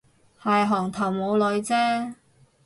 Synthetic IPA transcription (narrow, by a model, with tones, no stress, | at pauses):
hɐ˨jɦɔː˨˩ŋt̪ʰɐ˨˩wmo˨˧wlɵ˨˧ɥt͡sɛː˥